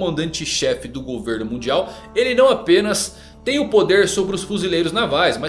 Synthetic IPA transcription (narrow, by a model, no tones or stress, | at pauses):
mɐ̃nd̪ɐ̃nt͡ʃɪʃɛfɪd̪ʊɡoveɾnʊmũd͡ʒiaw | elɪnɐ̃w̃apẽnɐs | t̪ẽj̃ʊpod̪eɾsobɾɪʊsfuzilejɾʊznavajsmɐ